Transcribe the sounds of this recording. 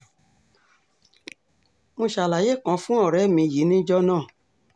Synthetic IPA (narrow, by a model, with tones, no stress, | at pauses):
mõ˧ʃa˨la˨je˦˨kã˨˧˦fũ˦ɔ˦˨ɾɛ˨˦mĩ˧˨ji˨˦nĩ˦d͡ʒɔ˦nãː˦˨